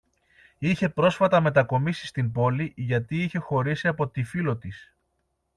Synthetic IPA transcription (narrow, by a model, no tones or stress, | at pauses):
içe̞pɾo̞sfɐt̪ɐme̞t̪ɐko̞misi̥st̪imbo̞liʝɐt̪iiçe̞xo̞ɾisiɐpo̞t̪ifilo̞t̪is